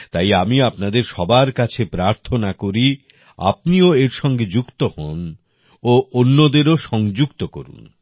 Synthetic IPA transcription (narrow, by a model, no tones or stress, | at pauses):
t̪ajamiapnad̪eɾʃɔbaɾkat͡ɕʰepɾaɾt̪ʰonakoɾi | a̰p̚nioeɾʃɔŋɡed͡ʑukt̪oho̰n | oʔonːod̪eɾoʃɔŋd͡ʑukt̪oko̰ɾṵn